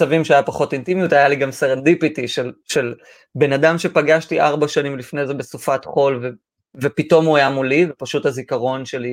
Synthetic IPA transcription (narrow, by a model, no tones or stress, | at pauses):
avimʃeajapaχo̞tintimijutajaliɡamseʁandipitiʃelʃe̞l | be̞nadamʃe̞paɡaʃtiʔaʁbaʃanimlifne̞jze̞be̞sufatχo̞lve | vepito̞muajamulivepaʃuthazikaʁo̞nʃe̞li